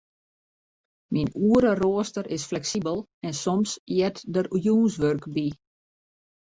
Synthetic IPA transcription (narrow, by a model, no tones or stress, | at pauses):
minuəɾəroəstərɪsflɛksibəlˠɛnsɔmsjɛtdərujuːnsʋørkbi